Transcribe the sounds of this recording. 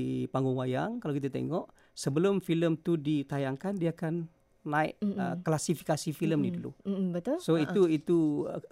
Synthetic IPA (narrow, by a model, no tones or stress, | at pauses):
paŋɡʊŋwaja̰ŋkalawkit̪at̪ḛŋɔʔ | səbəlʊmfiləmt̪udit̪ajaŋkandiaakanː | aɪ̰ʔə̰klasifi̥kasifiləmnidulṵbət̪ʊsoit̪uit̪ṵ